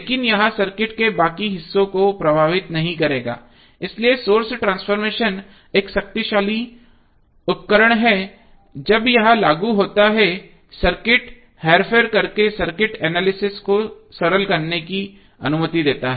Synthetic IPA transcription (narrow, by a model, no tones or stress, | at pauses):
leːkɪnjɐɦãsɐɾkɪʈkebaːkiɦɪsːõkopɾɐbʱaːʋɪt̪nɐɦĩkɐɾeːɡa̰ː | ɪsliesoːɾsʈɾãːnsfɔːɾmeːʃən | eːksɐk̚t̪iʃaːli | ʊt̪̚kəɾəɽ̃ɦɛ | d͡ʒɐbjɐɦãlaːɡuɦoːt̪aɦɛ | sɐɾkɪʈ | heːɾfʰeəɾkɐɾkesɐɾkɪʈɛːnaːlɪsɪskosɐɾəlkɐɾneki | ɐ̰nʊmət̪id̪eːt̪aɦɛ